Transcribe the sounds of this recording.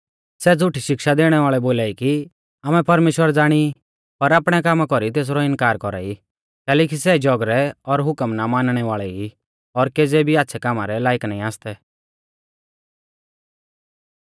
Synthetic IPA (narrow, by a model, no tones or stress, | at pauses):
sɛd͡zʊʈʰiʃɪkʃad̪eːɽ̃ɛʋaːɭɛboːlaːiki | amɛpɐɾmeːʃwəɾd͡zaːɽ̃i | pɐɾaːpɽ̃ɛkaːmakɔɾit̪̬eːs̬ɾɔɪ̃nkaːɾkɔɾa̰ːi | t̪ɛːlɛːk̬isɛd͡ʒɔɡɾɛɔɾɦʊkəmnamaːnɽ̃ɛʋaːɭɛi | ɔɾkeːd͡zɛbʱiaːt̪ːsʰɛkaːmaɾɛlaːɪknãːĩaːst̪ɛ